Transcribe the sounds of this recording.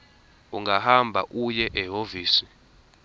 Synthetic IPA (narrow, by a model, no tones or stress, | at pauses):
uŋɡahambʱaʔujɛʔɛɦoviːsi̥